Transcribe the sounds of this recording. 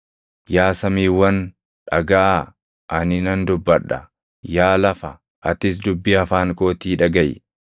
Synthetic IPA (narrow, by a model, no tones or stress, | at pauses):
jaːsɐmiːwɐn | ᶑɐɡaʔ | ʔɐnɪnɐnd̪ʊbːɐᶑːɐ̰ | jaːlɐfɐ | ʔɐt̪ɪs̬d̪ʊbːɪɐfaːŋkʼo̞ːt̪iːᶑɐɡɐj̰